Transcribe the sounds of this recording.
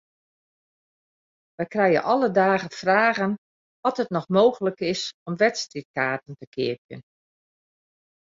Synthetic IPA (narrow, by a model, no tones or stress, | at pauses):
ʋɛjkrɛjə̰nʔɔlədaːɣəfraːɣən | ʋɔtɦətnɔxmoːɣələkɪsɔmʋɛtstrit̚kaːtəntəkɪ̰əp̚jə̰n